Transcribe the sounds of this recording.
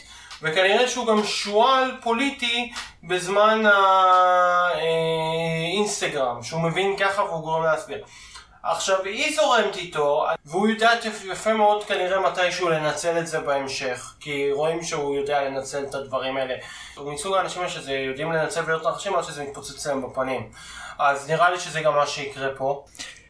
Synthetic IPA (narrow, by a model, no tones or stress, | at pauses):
ve̞kaniʁe̞ʃeuɡamʃualpo̞liti | be̞zmana | e | inst̪aɡʁamʃeume̞vinkaχaveuɡoʁemleasbiʁ | a̰χʃavhizo̞ʁe̞mt̪it̪o̞a̰veujodaːt̪jafe̞meo̞dkaniʁe̞matajʃeule̞nat͡se̞letze̞beemʃe̞χkiʁo̞imʃeujo̞deale̞nat͡se̞letadvaʁimaele̞ | misuɡaːnaʃimaʃezejo̞dimle̞nat͡selvejo̞t̪ʁaχaʃimadʃezemit̪pot͡set͡sleembapanim | ʔazniʁaliʃe̞zeɡamːaʃeikʁe̞po̞